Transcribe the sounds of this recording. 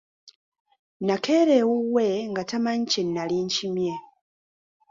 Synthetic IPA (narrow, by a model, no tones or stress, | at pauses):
nakʰeɾewuweŋɡatamaɲicenːaliɲcimje